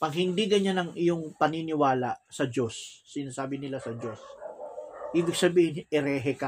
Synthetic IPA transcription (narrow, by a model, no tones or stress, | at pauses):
pɐɡ̚hɪnd̪iɡɐɲanɐŋʔɪjoŋpɐninɪwaːlaʔsɐd͡ʒo̞sːɪnaːsaːbɪnɪlasɐd͡ʒo̞s | hiːbɪɡ̚sɐbiːhɪnɪɾɛːɦɛka